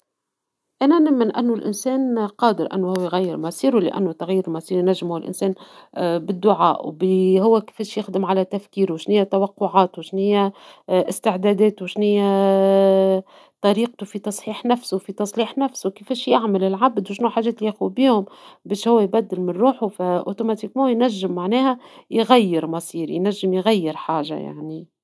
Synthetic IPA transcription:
ʔænænɪmːɪnʔɪ̰nːʊlʔɪ̰nsɛːnqɑːd̪ɪɾʔɪ̰nːuhʊwːæjɣæjːɪɾmɑsiːɾulɪ̰ʔæ̰nːut̪aɣjiːɾmɑsiːɾinæʒːmuɪlʔɪ̰nsɛːnbɪd̪ːʊʕa̰ːʔwbihʊwːækɪ̥feːʃjɪxd̪ɪmʕalæt̪æfkiːɾwɪʃnɪjːæt̪ɑwɑqːʊʕɑːt̪wɪʃnɪjːæʔɪst̪ɪʕd̪æːd̪ɛːt̪uwʃnɪjːæ | t̪ˤɑɾiːq̚t̪ufit̪ɑsˤħiːħnæfsufit̪ɑsˤliːħnæfsuwkefɛːʃjɪʕmɪlɪlʕabd̪wʃnuħaːʒɛːt̪lijʔæxbiːhʊmbɛːʃhʊwːæjbæd̪ːɪlmɪnɾuːħufæʔo̰t̪omat̪ikmɑ̃ːjnæʒːɪmːaʕnɛːhæjɣæjːɪɾmɑsˤiːɾjnæʒːəmjɣæjːɪɾħaːʒa̰ja̰ʕni

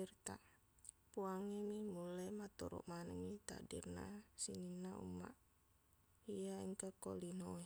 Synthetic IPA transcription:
irt̪a̰ | puaŋemimulamat̪ɔ̰ɾɔ̰ʔmanəŋit̪a̰dḭrna̰sininːaṵma̰ʔ | ijaiŋkakolinoe

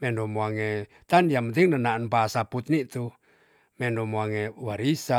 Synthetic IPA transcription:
mɛndomoaŋe | t̪aniamənt̪̬iŋnənaənpasaput̪̚nit̪u | mɛndomoaŋewaɾisa

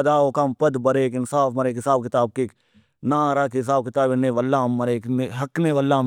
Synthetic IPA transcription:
ɐd̪aːokampɐd̪bɐɾeːkɪnsaːfmɐɾeːkɦɪsaːb̚kɪt̪aːb̚kek | nãːɾaːkiɪs̬aːb̚kɪt̪aːbɪneːʋɐlːaːmːɐɾeːkneɦɐkneʋɐlːa

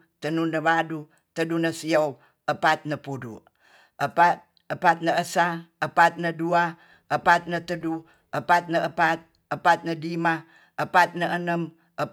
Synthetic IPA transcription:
t̪ənunəβadu | t̪ədunəsiow | əpat̪̚nəpudṵ | əpat̪̚ | əpat̪̚nəəsaəpat̪̚nədua | əpat̪̚nət̪ədu | əpat̪̚nəəpat̪̚ | əpat̪̚nədima | əpat̪̚nəʔənəm | ʔə

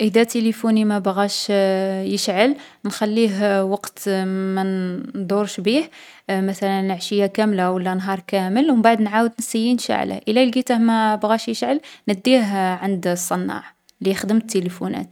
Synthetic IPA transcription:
ʔəd̪æt̪elifunimæbɣæʃjəʃʕəl | nxælːiɦwɑqt̪mænd̪ˤuɾʃbih | mæt̪ælənːəʕʃəjːakæmlawəlːænɦɑɾˤkæməlwmbaʕd̪nʕawəd̪nəsəjːinʃa̰ʕlə̰ʔəlælɡit̪əhmæbɣæʃjəʃʕəlnəd̪ːiɦʕənd̪sˤːɑnːɑ̰ʕ | lixd̪əmət̪ːelifunæ̰t̪

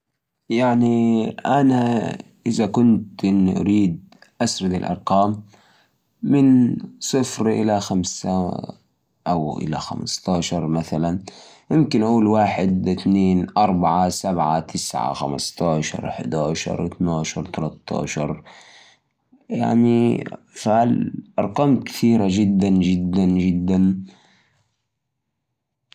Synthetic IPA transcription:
jaʕniʔana | ʔɪzakʊnt̪ʔɪnːiʔaɾiːd̪̚ | ʔasɾɑd̪ɪlʔɑ̰ɾˤqɑːm | ɪnsˤɨfɾʔɪ̰laxamsa̰ | ʔawʔɪ̰la̰xa̰mst̪ɑːʃɑɾˤmaθalan | jɪmkɪnʔaʔuːlwaːħɪd̪ɪt̪neːnʔɑɾˤbaʕasabʕat̪ʰɪsʕa̰xa̰mɑst̪ɑːʃɑ̰ɾˤʔɪħd̪aːʃɑ̰ɾˤʔɪt̪naːʃɑɾˤt̪alat̪ːɑ̰ːʃɑɾˤ | ja̰ʕni | falʔɑɾˤqɑmt̪kɪ̥θiːɾad͡ʒɪd̪ːand͡ʒɪd̪ːand͡ʒɪd̪ːan

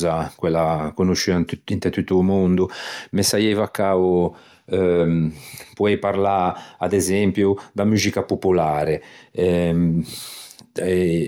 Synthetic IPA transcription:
zakwɛlːakonuʃːianint̪ɛt̪ut̪ːuːmund̪umesajɛvakːau | puɛjpaɾlaad̪ɛzɛmpjud̪amuzikapopulaːɾeɛ | ɛ

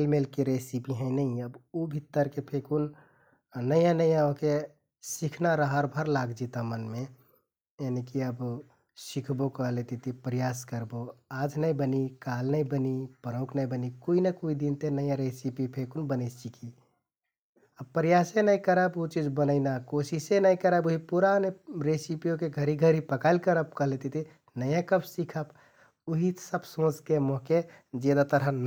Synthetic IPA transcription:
elmelkeɾesipiɦə̃ĩnəĩəbubʱit̪ːəɾkepʰekun | nəjãnəijaõke | sikʰnaɾəɦəɾbʱəɾlaɡd͡ʒit̪amənme | enekiəb | sikʰbokəɦlet̪it̪ipɾijaskəɾboad͡ʒnəĩbənikalnəĩbənipəɾə̃ʊkʰnəĩbənikoinəkoid̪int̪enəjãɾesipipʰekunbənəsikʰi | əbpəɾijasenəĩkəɾəbot͡ʃid͡ʒbənəɪnakosisẽnəĩkəɾəbuɦipuɾaneɾesipijokeɡʱəɾiɡʱəɾipəkaɪlkəɾəp̚kəɦlet̪it̪i | nəjãkəbsikʰəb | uɦisəbsõt͡ʃkemoɦke | d͡ʒed̪at̪əɾɦən

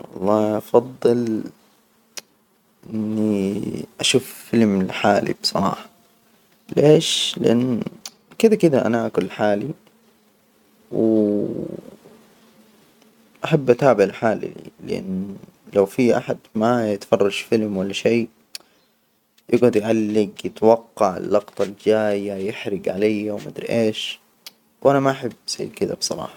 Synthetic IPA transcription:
wɑ̰lˤːɑːʔɑfɑðˤːɨl | ʔɪnːiʔaʃuːffɪlmɪlħaːlḭbsˤɑɾˤɑ̰ːħɑ̥ | leːʃlɪʔanː | kɪd̪akɪd̪aʔa̰naʔakʊlħaːli | w | ʔaħabːʔat̪aːbɪʕɪlħaːlḭlɪʔɪ̰nːlawfiʔa̰ħad̪majɪt̪fɑrˤːɑʃfɪlmwalːaʃeː | jɪɡʕʊd̪jʕalːɪɡjɪt̪wɑqːɑʕɪ̰lːɑɡt̪ˤɑld͡ʒaːjajɪħɾɪɡʕalajːawmad̪ɾʔeːʃ | wʔanamaʔaħabːsa̰ːkɪd̪a̰bsˤɑ̰ɾˤɑ̰ːħɑ̥

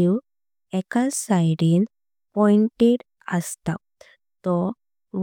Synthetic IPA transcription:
iw | ɛkasajɽin | pɔiɳʈeɽ | əst̪a | t̪ɔ | ʋ

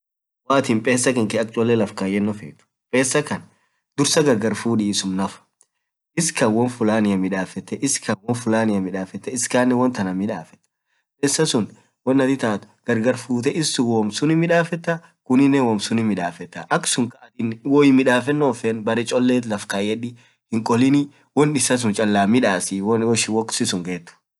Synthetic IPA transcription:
waːt̪iːmpʼe̞ːsːɐkɐŋkɛɐk̚t͡ʃʼɔlːɛlɐfkaːjɛnːɔfeːt̪ʊ̥ | pʼe̞ːsːɐkɐn | d̪̥ʊɾsɐɡɐɾɡɐɾfuːᶑiːsʊmnɐfɐ̥ | ʔɪskɐnwɔnfʊlaːnɪjɐmɪᶑaːfɛt̪ːɛʔɪskɐwɔnfʊlaːnɪjɐmɪᶑaːfɛt̪ːɛɪskaːnːɛwɐnt̪ɐnɐmɪᶑaːfɛ̥t̪ːɐ̥ | pʼeːsːɐsʊn | wɔnːɐt̪ɪt̪aːt̪ʊ̥ɡ̥ɐɾɡɐɾfuːt̪̬ɛʔɪsːʊwɔmsʊnɪmɪᶑaːfɛt̪ːɐ | kʊnɪnːɛwɔmsʊnɪmɪᶑaːfɛt̪ːɐʔɐksʊŋkɐʔɐt̪ɪnwɔːɪmːɪᶑaːfɛnːoːfenbɐɾɛt͡ʃʼɔlːeːt̪lɐfkaːjɛᶑɪ | hɪŋkʼɔlɪnɪ | wɔnːɪsɐs̬ʊnt͡ʃʼɐlːaːmɪᶑaːsɪwɔʃɪwɔkʼsɪsʊŋɡeːt̪ːʊ̥

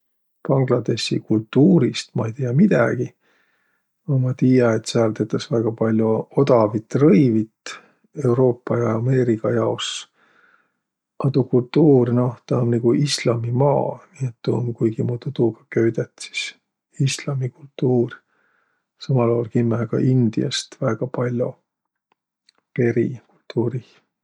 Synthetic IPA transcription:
pɑŋɡ̥lɑd̪e̞ɕḭkult̪ːuːɾist̪mɑejt̪ijɑmid̪̥æɡ̥i | omɑt̪iːjɑet̪ːseɑlt̪et̪ːˑɑsvæɡ̥ɑpɑlʲjuod̪ɑvit̪ːrɤjvit̪ | e̞wɾo̞ːpːˑɑjɑɑme̞ːɾikɑjɑos | ɑt̪ukult̪ːuːrno̞ht̪ɑmniɡuʔislɑmimɑːniet̪ːuːmkujɡ̥imut̪ut̪uɡ̥ɑ̥køɥd̪et̪ːˑsi̥s | islɑmikult̪ːuːr | sɑmɑloːlkimːekɑ̰ʔind̪̥ḭɑ̰st̪væːɡ̥ɑpɑlʲjo̰ | pe̞ɾikult̪ːuːɾi

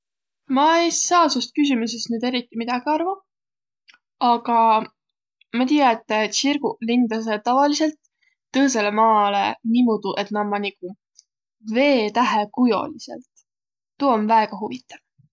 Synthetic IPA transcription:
mɑejsɑːsust̪̚kys̬ʲimuse̞st̪nyːd̪e̞ɾit̪ːimid̪̥ɑɡ̥iɑrvɑ | ɑɡ̥ɑ | mɑt̪ijɑet̪ˑːt̪ɕirɡ̥ulind̪ɑs̬e̞t̪ɑvɑlise̞lt̪ː | ɤːs̬e̞le̞mɑːle̞̰nimud̪̥uʔe̞t̪nɑmːɑniku | ve̞ːt̪æɦekujo̞̰lise̞̰lt̪ː | uonvæeɡ̥ɑɦuvit̪ːˑɑv̥

